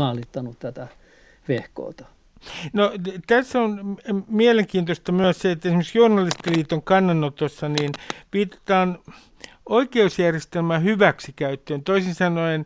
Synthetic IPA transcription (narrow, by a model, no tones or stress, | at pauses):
ɑlit̪ːɑnut̪t̪æt̪æ | ʋehko̰ˑːt̪ɑ̥ | not̪æsːonmieleŋkiːnt̪ost̪ɑmyæsseet̪ːæesimːøksjuːnɑlist̪iliːt̪oŋkɑnːɑnːot̪osːɑniːnpiːt̪e̥t̪ɑːn | oikeusjærjest̪elmæːhyʋæksikæyt̪ːøːnt̪oisinsɑnoen